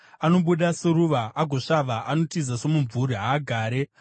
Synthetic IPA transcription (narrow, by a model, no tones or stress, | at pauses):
ano̞ɓuɗaseɾuʋaaɡʱoʂaʋaʔano̞tizaso̞muɱvuriɦaːɡʱaːɾe